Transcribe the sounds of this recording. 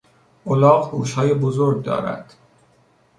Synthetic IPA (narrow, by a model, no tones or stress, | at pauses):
ʔolɒːɣhuːʃhɒːjebozoɾɡ̚d̪ɒ̰ːɾæ̰d̪̥